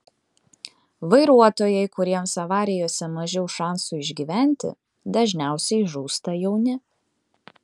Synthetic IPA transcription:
ʋɐɪɾuɔt̪oːjɛɪkʊɾʲiɛmsɐʋɑːɾʲɪjoːsʲɛmɐʒʲɛʊʃɑˑnsuɪʒʲɡʲiːʋʲæˑnʲt̪ʲɪ̰ | d̪ɐʒʲnʲæˑʊsʲɛɪʒuːst̪ɐjɛʊnʲɪ

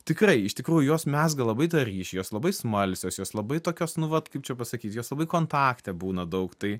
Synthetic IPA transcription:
t̪ʲɪkrɐɪɪʃt̪ʲɪkɾuːjʊjoːsmʲɛsɡɐlˠɐbɐɪt̪ɐɾʲiːʃʲjoːslˠɐbɐɪsmɐlʲsʲoːsjoːslˠɐbɐɪt̪oːkʲoːsnʊʋɐt̪kɐɪp̚t͡ʃʲɛpɐsɐkʲiːt̪joːslˠɐbɐɪkoːnt̪ɑːkt̪ʲɛbuːnɐd̪ɐʊkt̪ɐɪ

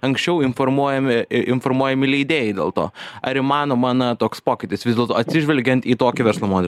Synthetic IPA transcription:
ɐŋksʲt͡ʃʲɛʊɪnfoːɾmuɔjɛmʲɪɪnfoːɾmuɔjɛmʲɪlʲɛɪd̪ʲeːjɛɪd̪ʲeːlˠt̪o̰ːɐɾɪmɑːnoːmɑːnɐt̪oːkspoːkʲɪt̪ʲɪsʋʲɪzd̪ʲeɛlˠt̪oːɐt̪ʲsʲɪʒʲʋʲɛlʲɡʲɛnt̪iːt̪oːkʲɪʋʲɛɾslˠomoːd̪ʲɛl

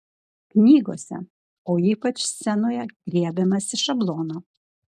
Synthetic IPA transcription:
knʲiːɡoːsʲɛ̰ | oːiːpɐt͡ʃsʲɛnoːjɛɡ̥ɾʲiɛbʲɛmɐsʲɪʃɐblˠoːnoː

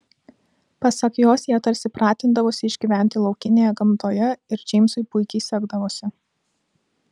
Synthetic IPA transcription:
pɐsɐkjoːsjiɛɐt̪ɐɾʲsʲɪpɾɑːt̪ʲɪnd̪ɐʋoːsʲɪɪʒʲɡʲiʋʲæˑnʲt̪ʲɪlˠɒʊkʲɪnʲeːjɛɡɐmt̪oːjɛɪɾd͡ʒʲɛɪmsʊɪpʊɪkʲɛɪsʲɛɡd̪ɐʋoːsʲɪ

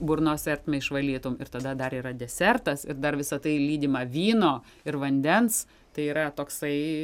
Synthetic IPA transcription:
bʊrnoːsʲɛrʲt̪ʲmʲɛɪʃʋɐlʲiːt̪ʊːmɪrt̪ɐd̪ɐd̪ɐɾiːɾɐd̪ʲɛsʲɛrt̪ɐsɪ̰ɾd̪ɐrʋʲɪsɐt̪ɐɪlʲiːd̪ʲɪmɐʋʲiːnoː | ɪɾʋɐnʲd̪ʲɛns | t̪ɐɪiːɾɐt̪oːksɐɪ

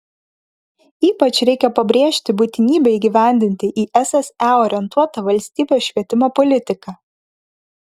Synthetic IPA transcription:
iːpɐt͡ʃɾʲɛɪkʲɛpɐbʲɾʲeːʃʲt̪ʲɪbuːt̪ʲɪnʲiːbʲɛiːɡʲɪʋʲæˑnʲd̪ʲɪnʲt̪ʲɪʔiːʔɛsɛsæoːɾʲɛnt̪uɔt̪ɐʋɐlʲsʲt̪ʲiːbʲeːsʃʲʋʲiɛt̪ʲɪmoːpɔlʲɪt̪ʲɪkɑ

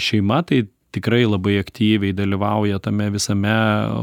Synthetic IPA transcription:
ʃʲɛɪmɐt̪ɐɪ | t̪ʲɪkɾɐɪlˠɐbɐɪɐkt̪ʲiːʋʲɛɪd̪ɐlʲiʋɐʊjɛt̪ɐmʲɛʋʲɪsɐmʲɛ

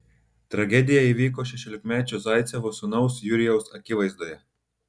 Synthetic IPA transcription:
t̪ɾaɡeːd̪ijajɛʋikɔʃɛʃɛlʲɛkmɛːt͡ʃɔzajt̪sʲɛʋɔsunɔwsjuɾijɔwsakiʋajzd̪ɔja

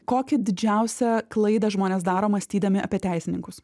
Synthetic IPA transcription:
koːkʲɪd̪ʲɪd͡ʒʲæʊsʲɛklˠɐɪd̪ɐʒmoːnʲeːsd̪ɑːɾoːmɐsʲt̪ʲiːd̪ɐmʲɪɐ̰pʲiɛt̪ʲæɪsʲɪnʲɪŋkʊs

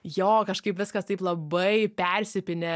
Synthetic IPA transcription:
joːkɐʃkɐɪpʋʲɪskɐst̪ɐɪplˠɐbɐɪpʲɛrʲsʲɪpʲɪnʲɛ

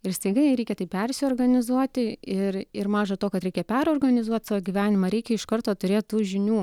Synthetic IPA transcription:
ɪɾst̪ɐɪɡɐɪɾʲɛɪkʲɛt̪ɐɪpʲɛrʲsʲɪoːrɡɐnʲɪzuɔt̪ʲɪɪrɪɾmɑːʒɐt̪oːkɐt̪ɾʲɛɪkʲɛpʲɛɾoːrɡɐnʲɪzuɔt̪sɑːʋoːɡʲiːʋʲæːnʲɪmɐɾʲɛɪkʲɛɪʃkɐrt̪oːt̪ʊɾʲeːt̪̚t̪uːʒʲɪnʲuː

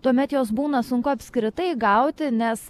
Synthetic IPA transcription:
t̪uɔmʲɛt̪joːs̬buːnɐsʊŋkʊɐpʲskɾʲɪt̪ɐɪɡɐʊt̪ʲɪnʲɛs

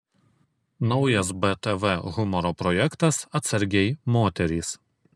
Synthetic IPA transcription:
nɒʊjɐs̬bɛt̪ɛʋɛɣʊmɔɾoːpɾɔjɛkt̪ɐsɐt̪sɐɾʲɡʲɛɪmoːt̪ʲɛɾʲiːs

